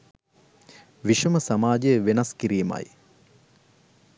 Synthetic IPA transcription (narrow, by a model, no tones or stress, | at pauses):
ʋiʃəməsamaːd͡ʒejəʋenɐskiɾiːmɐ̰j